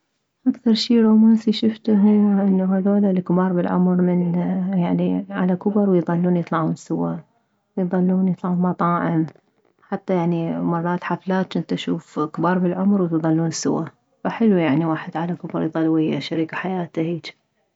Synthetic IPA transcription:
ʔakθɑɾˤʃiːɾomaːsiʃʊft̪ʊɦʔɪnːaɦaðoːlalkbɑːɾˤbɪlʕʊ̰mɾmɪnjaʕniʕa̰lakʊbɨɾˤwɪjðˤɑlːuːnjɨt̪ˤlɑʕuːnsʊwa | wjðˤɑlːuːnjɨt̪ˤlɑʕuːnmɑt̪ˤɑːʕɪm | ħat̪ːajaʕnimɑrˤːɑːt̪ħaflaːt̪ːɪnt̪aʃṵːfkbɑːɾˤbɪlʕʊmɾwt̪ðˤɑlːuːnsʊ̰wa | faħɪlujaʕniwaːħɪd̪ʕalakʊbɾˤjðˤɑlːwijaʃaɾikaħajaːt̪ahiːt͡ʃ

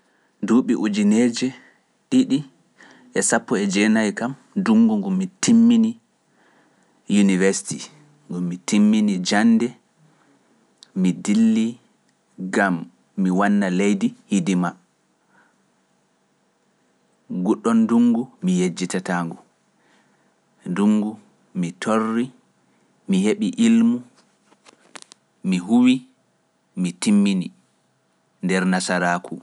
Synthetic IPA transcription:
duɓiʔud͡ʒined͡ʒɛ | ɗiɗi | ɛsapːɔɛd͡ʒɛnajkam | duŋɡuŋɡumːitimːini | junivɛɾsi̥ti | ŋɡumːitimːinid͡ʒandɛ | midilːi | ɡamː | iwanːalejdihidima | ɡuɗːɔnduŋɡumijed͡ʒːitataːŋɡu | nduŋɡu | mitʰorːi | miheɓiʔilmu | miɦuwi | mitimːini | ndɛɾnasaɾaːkʰu

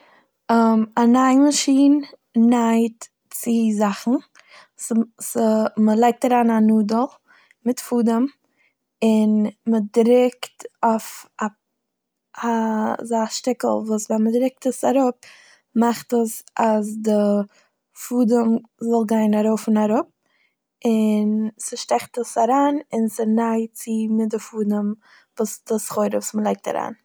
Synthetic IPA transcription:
amanaɪməʃiːn | naɪt | t͡sɪzaχn̩ | sməlˠaɪk̚taɾaːnanuːdəlˠ | mɪtfuːdəm | ɪnmədɾɪktafa | azaʃtɪkl̩ˠvuːsvɛnmədɾɪk̚təsaɾʊp | maχtəsasdɪ | fuːdəmzɔlˠɡaɪnaɾoʊfɪnaɾʊp̚ | ɪnsəʃtɛχtəsaɾaːnɪnsɪnaɪt͡sɪmɪt̚dɪfuːdəm | vuːsd̥ɪsχoɪɾəvuːsməlˠaɪk̚ta̰ɾa̰ːn

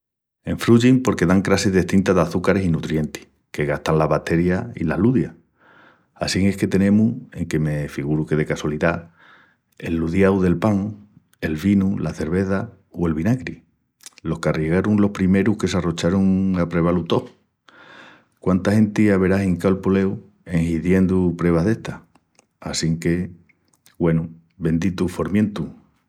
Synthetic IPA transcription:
e̞ɱfɾuʝiŋpo̞ɾke̞ðaŋkɾaseðeht̪int̪aðaθukaɾe̞sinut̪ɾje̞nt̪i̥ | ke̞ɣaht̪anlaβat̪e̞ɾjaḭlaluðja | a̰siŋe̞hke̞t̪e̞nẽ̞mue̞ŋke̞me̞fiɣuɾuke̞ðe̞kaswaliða | e̞̰lːuðjawðe̞lpaŋ | e̞lβinulaθe̞ɾβe̞θa | oe̞lβinakɾi | lo̞hkarjiɣaɾuŋlo̞hpɾime̞ɾuhke̞s̬aro̞t͡ʃaɾuŋapɾe̞β̞alut̪o̞ | kwant̪ahe̞nt̪iaβe̞ɾaɦiŋkalpole̞w | e̞ŋhiðje̞nd̪upɾe̞β̞aɦðe̞ht̪ah | asiŋke̞ | ɡwe̞nu | be̞nd̪it̪ufo̞ɾmjẽ̞nt̪u

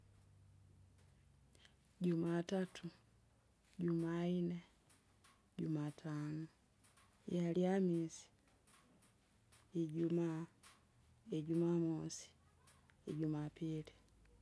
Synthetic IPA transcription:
ɟumatatʰu | ɟumaine | ɟumatʰaːno | jaljamiːsi̥ | eɟuma | eɟumamosi̥ | eɟumapiːli

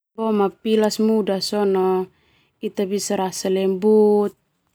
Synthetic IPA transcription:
bɔmapilasmudasɔnɔ | it̪abisaɾasalɛmbut̪̚

